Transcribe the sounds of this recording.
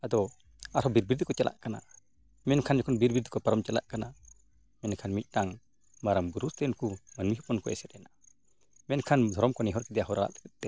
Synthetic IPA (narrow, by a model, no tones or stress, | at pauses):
ad̪ɔ | aɾhɔbiɾbiɾd̪ɔkɔt͡ʃalʔa̰ʔkana̰ | mɛnkʰand͡ʒɔkʰɔnbiɾbiɾd̪ukɔpaɾɔmt͡ʃɛla̰ʔkana | mɛnkʰanmit̪̚ˀtaŋ | maɾambuɾust̪ɛnkumənmiɦupɔnkɔɛsɛt̪̚ɛna | mɛnkʰand̪ʱɔɾɔmkɔnɛɦɔɾkɛd̪ɛjaɦɔɾala̰ʔt̪ɛ̥kət̪̚d̪̥ɛ